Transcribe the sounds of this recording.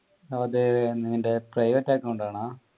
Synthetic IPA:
ɐðɨniŋːɐde̞prɐjʋɐʈːaːkːɐuɳɖaːɳaː

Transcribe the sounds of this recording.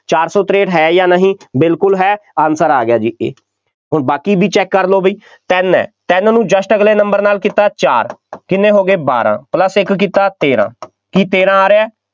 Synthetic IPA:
t͡ʃaːɾsɔːt̪ɾeːʈɦɛːjaːnəɦĩːbɪlkʊlɦɛːaːnsəɾaːɡɪjaːd͡ʒiːḛː | ɦʊnbaːkiːbʱiːt͡ʃɛːkːəɾloːbiː | t̪ɛnɛ̰ːt̪ɛnnũːd͡ʒəsʈəɡleːnəmbəɾnaːlkiːt̪aːt͡ʃaːɾkɪnːẽːɦoːɡeːba̰ːɾã̰ːpləsɪkːiːt̪aːt̪eːɾã̰ː | kiːt̪eːɾãːaːɾeaː

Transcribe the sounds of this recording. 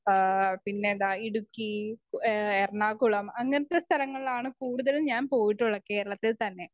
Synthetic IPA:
pinːeðaːiɽukːikerɳaːkuɭɐmɐŋːɐnɐt̪ːest̪ʰɐlɐŋːɐɭilaːɳɨkuːɽuðɐlumɲaːnpo̞ːjiʈːuɭːɐke̞ːɾɐɭɐt̪ːit̪ɐnːe̞

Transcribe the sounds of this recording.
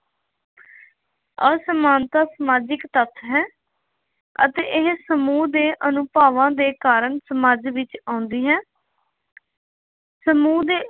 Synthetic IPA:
əsəmaːnt̪aːsəmaːd͡ʒɪkt̪ət̪ʰɦɛː | ə̰t̪eːʔɪɦsəmuːd̪eːʔənʊpaːʋãːd̪eːkaːɾəɳsəmaːd͡ʒʋɪt͡ʃãːʊ̃nd̪iːɦɛː | səmuːd̪eː

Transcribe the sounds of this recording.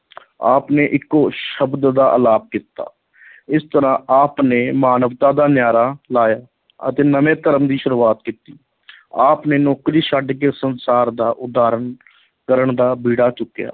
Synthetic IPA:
a̰ːpneːʔɪkːoːʃəbd̪d̪aːʔəlaːp̚kit̪a̰ː | ɪst̪əɾãːʔaːpneːmaːnəʋt̪aːd̪aːnjaːɾaːlaːjaː | ə̰t̪eːnəʋẽːt̪əɾəmd̪iːʃəɾuːaːt̪kiːt̪iː | aːpneːnɔːkɾiːʃaːɖkeːsənsaːɾd̪aːʔʊd̪aːɾən | kəɾəɳd̪aːbiːɽaːt͡ʃʊkːja̰ː

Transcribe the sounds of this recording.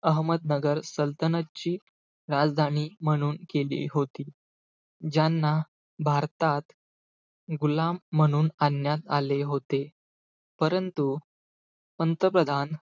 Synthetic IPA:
əɦməd̪̚nəɡəɾsəlt̪ənətt͡ɕiː | ɾad͡zd̪ʱañiːm̤əɽ̃uːnkelḭːɦot̪iː | d͡ʑjanːa | bʱaɾt̪at̪ | ɡulamːəɽ̃uːnanjat̪aleɦot̪e | pəɾənt̪u | pənt̪ɾəpɾəd̪ʱan

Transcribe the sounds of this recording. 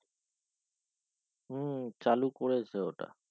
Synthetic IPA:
ɦːt͡ʃaːluːkoɾeːsʰeːoːʈa̰ː

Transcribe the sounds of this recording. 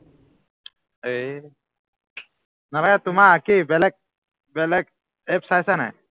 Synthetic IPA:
e | naɾaɡat̪umaːkibɛlɛk̚ | bɛlɛk̚ | ɛp̚sajsana̰j

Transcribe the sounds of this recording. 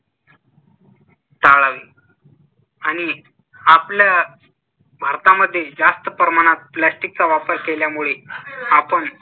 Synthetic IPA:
t̪aɭaʋiː | aɽ̃i | aplja | bʱaɾt̪aməd̪ʱːjed͡zast̪əpɾəmaɽ̃at̪̚plasʈik̚t͡saʋapəɾkeljamuɭeapəɳ

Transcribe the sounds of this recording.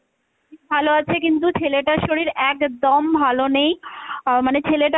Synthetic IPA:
ibʱaloat͡ɕʰekint̪̬ut͡ɕʰeleʈaʃoɽiɾɛkd̪ɔmbʱalonejmanet͡ɕʰeleʈa

